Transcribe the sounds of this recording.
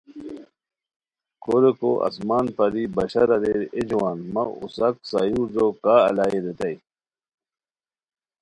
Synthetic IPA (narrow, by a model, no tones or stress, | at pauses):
koɾekoʔɐ̰smaːnpɐɾibɐɕɐɾɐɾeɾed͡ʑwaːnmɐṵsɐksajuːɾd͡ʑoːkaːɐ̰laːiɾet̪ɐj